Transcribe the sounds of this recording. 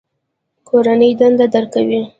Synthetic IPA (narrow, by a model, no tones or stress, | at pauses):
kʰoɾanəjd̪and̪ad̪əɾkawi